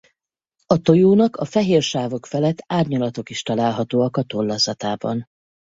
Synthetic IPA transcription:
ɒt̪o̞joːnɒkɒfɛɦeːrʃaːvo̞kfɛlɛt̪ːaːrɲɒlɒt̪o̞kiʃt̪ɒlaːlɦɒt̪oːɒkɒt̪o̞lːɒzɒt̪aːbɒ̰n

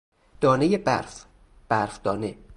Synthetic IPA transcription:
d̪̥ɒːnejebæ̰ɾf | b̥æɾfd̪̥ɒːne

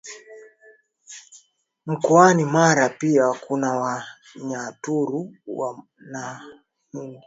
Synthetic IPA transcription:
m̩kɔanimaɾapiakunawa | ɲatuɾuwa̰ | na | muni

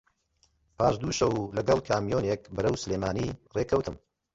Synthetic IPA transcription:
pʰaːʃd̪uʃɐwlɐɡɐlˠkʰaːmijoːnek̚bɨɾɐwsɨleːmaːnireːkʰɐwt̪ɨm

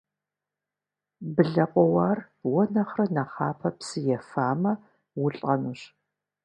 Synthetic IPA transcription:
bɨɮɐqʷʼɔwaːr | wɔnɐχrɐnaχɑːpʰɐpsɨjɛfaːmɐ | wʊɬʼɐnuɕ

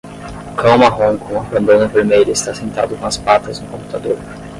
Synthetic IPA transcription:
kãwmɐɦõkõɐpɐ̃nd̪onɐveɾmejʎʊɪst̪asẽnt̪a̰d̪ʊkõɐspat̪ɐznʊkõmput̪ad̪oɾ

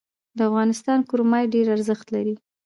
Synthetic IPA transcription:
d̪əafɣɑnɪst̪ɑnkʊɾmɑjɖeɾaɾzəxt̪laɾi

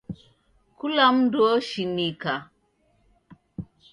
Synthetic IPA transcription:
kulamdoʃinika

